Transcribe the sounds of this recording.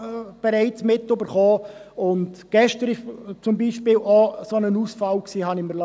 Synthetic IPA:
b̥ɛɾɛɪt͡smɪtːøbəɾχoːʊntɡ̥ɛʃtəɾɪt͡sʊmbiʃpɪːlɔsonənuːsfɑlksiːhɑniməlɑ

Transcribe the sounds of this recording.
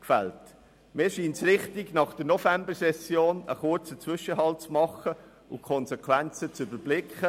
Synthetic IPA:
kfɛlt | mɪːʃiːnt͡sɾɪχtɪɡnɑχd̥ənɔfɛmbəsɛsjoːnə̰χʊɾt͡sət͡svʏʃəɦɑlt͡smɑχə | ʊkʰɔnsɛkʰwɛnt͡sət͡sybəɾb̥lɪkχə

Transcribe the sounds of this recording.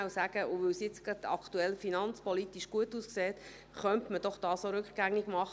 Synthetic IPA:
awsæːɡ̥əʔʊʋʏwsjɪt͡sɡɾɑd̥̪ɑ̰kt̪uɛlfinɑnt͡spɔlitiʃɡ̥uətuːskseːt̪ | χœntməd̥ɔχd̥ɑːsoɾʏkχɡ̥æŋiɡmɑχ

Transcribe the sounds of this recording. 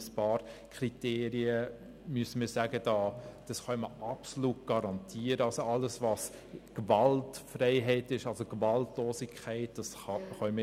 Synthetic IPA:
spɑːɾkʰriteːɾiə | myəsəmiːɾsæːɡəd̥ɑːd̥ɑsχœʏməɑpsolutɡ̥ɑɾɑntʰiːəɾəɑlsoɑlːəsvɑs | ɡ̥vɑltfrɛɪɦɛɪtɪʃɑlsoɡ̥vɑltlɔːsikʰχɛɪt̚d̥ɑs | ɑχœmə

